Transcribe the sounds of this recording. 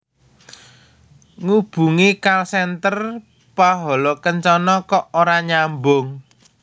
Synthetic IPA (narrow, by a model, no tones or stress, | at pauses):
ŋub̥ṳŋikalsɛnt̪ər | paɦɔlɔkəɲt͡ʃɔnɔkɔʔoɾaɲambʊŋ